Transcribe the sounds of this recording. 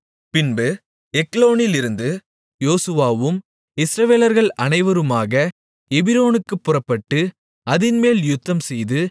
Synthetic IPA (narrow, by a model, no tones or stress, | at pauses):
pɪnbɯ | ɛkloːnɪlɪɾɯnd̪ɯ | joːsɯʋaːʋɯm | ɪsɾɐʋeːlɐɾɣɐɭɐnɐɪʋɐɾɯmaːɣɐ | ɛbɪɾoːnɯkːɯpːʊrɐpːɐʈːɯ | ɐðɪnmeːljʊt̪ːɐmsɛjðɯ